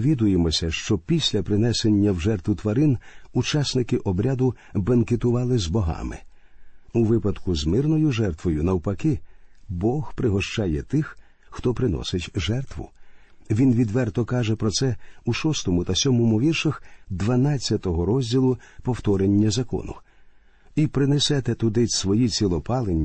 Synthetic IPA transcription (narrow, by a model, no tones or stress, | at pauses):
ʋʲid̪ʊjemɔsʲɐʃt͡ʃɔpʲisʲlʲɐpɾɪnɛsenʲːɐwʒɛrt̪ʋʊt̪ʋɐɾɪnut͡ʃasʲnɪkɪʔɔbɾʲad̪ʊbɐnket̪ʊʋɑlˠɪzbɔɦɑ̰mɪ̰ | uʋɪpɐd̪kʊzmɪrnɔjʊʒɛrt̪ʋɔjʊnɐwpɐkɪbɔhpɾɪɦɔʃt͡ʃɑjɛt̪ɪx | xt̪ɔpɾɪnɔ̰sɪtʲʒɛrt̪ʋʊ̰ | ʋʲinʋʲid̪ʋɛrt̪ɔkɑʒɛpɾɔsɛuʃɔst̪ɔmʊt̪ɐsʲɔmɔmʊʋʲirʃɐxd̪ʋɐnɑt͡sʲːɐt̪ɔɦɔɾɔzʲdʲilˠʊpɔwt̪ɔɾenʲːɐzɐkɔ̰nʊ̰ | ipɾɪnɛsɛt̪ɛt̪ʊd̪ɪsʋɔjit͡sʲilˠɔpɑlˠenʲː